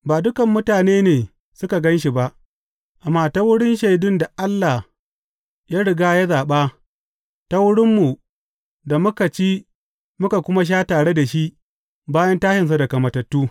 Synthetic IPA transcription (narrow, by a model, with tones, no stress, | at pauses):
baː˨dʊ˦kɐ˨mːʊ˦taː˨neː˦neː˨ | sʊ˦ka˨ɡɐ˦nʃi˨ba˦ʔ | ʔa˨mːaː˦ta˦wʊ˦ɽɪ˦nʃa˨jdʊ˦nda˨ʔa˦lːa˨ | ja˦ɽɪ˨ɡaː˦ja˦zaː˨ɓaː˦ | ta˦wʊ˦ɽɪ˦mːu˨ | da˨mʊ˦ka˨t͡ʃi˦ | mʊ˦ka˨kʷʊ˦ma˦ʃ̬aː˦taː˨ɽe˦da˨ʃi˦ʔ | baː˦jɐ˦ntaː˦ʃɪ˨ns̬a˦da˨kɐ˨mɐ˨tɐ˨tːuː˦